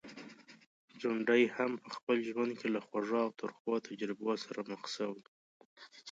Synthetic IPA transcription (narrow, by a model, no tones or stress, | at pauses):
d͡ʒʊɳɖəjhampəxpəlʒwand̪̚kʰelaxwaʐɑwt̪ʰəɾxwɑt̪ʰad͡ʒɾɪbosaɾaməxsawi